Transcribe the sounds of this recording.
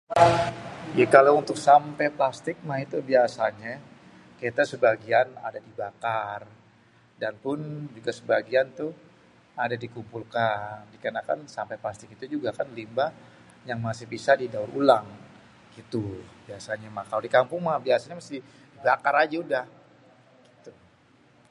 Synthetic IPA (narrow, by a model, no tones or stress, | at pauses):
jakalaunt̪ʊksampɛplast̪ɪk̚mahit̪ubiasaɲa | ket̪asəbaɡiana̰dadibakar | danpʊnd͡ʒuɡasəbaɡiant̪u | adadikumpulkandikənakansampeplast̪ɪkit̪ud͡ʒuɡakanlimba | jaŋmasɪhbisadidaʊɾulaŋ | ɡ̥it̪ub̥iasaɲamahkalawdikampʊŋmahbiasaɲamast̪ɪ | dibakaɾad͡ʒaudah | ɡ̥it̪u